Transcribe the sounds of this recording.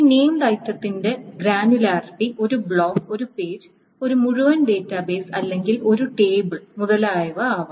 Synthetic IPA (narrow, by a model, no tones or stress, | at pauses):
iːne̞ːmlɐjt̪ːɐt̪ːinde̞ɡɾaːnulaːrpiʔo̞ɾubɭoːko̞ɾupe̞ːɾ | o̞ɾumuɻuʋɐnɖe̞ːtːɐbe̞ːsɐlːe̞ŋɡilo̞ɾuʈe̞ːbɨɭmuðɐlaːjɐʋɐaːʋɐ